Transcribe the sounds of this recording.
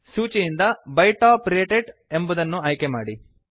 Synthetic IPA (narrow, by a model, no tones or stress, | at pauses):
suːt͡ʃijind̪ɐbɐjʈaːpɾeːʈeɖe̞mbud̪ɐnːuaːjkema̰ːɽi